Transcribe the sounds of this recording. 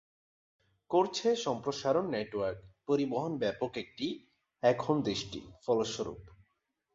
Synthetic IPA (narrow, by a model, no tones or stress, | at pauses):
koɾt͡ɕʰeʃɔmpɾoʃaɾonːeʈwaɾkpoɾiboɦonbɛpokek̚ʈi | ɛkʰond̪ɾiʃʈḭfɔloʃoɾṵp